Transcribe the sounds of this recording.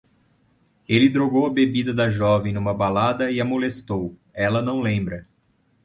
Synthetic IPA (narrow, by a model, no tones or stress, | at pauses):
elɪd̪ɾoɡowɐbebid̪ɐd̪ɐʒɔvẽj̃nũmɐbalad̪ɐiamolest̪owɛlɐnɐ̃w̃lẽmbɾɐ